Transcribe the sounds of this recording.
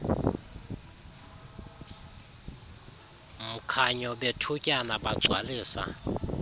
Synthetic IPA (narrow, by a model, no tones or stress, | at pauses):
m̩kʰaɲɔɓetʰucʼanaɓḁzʱwaliːsa̰